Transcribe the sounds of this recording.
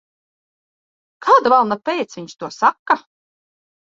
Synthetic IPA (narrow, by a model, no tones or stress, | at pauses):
kʰaːd̪avalˠnapʲɛjt̪sviɲst̪uɔsakːa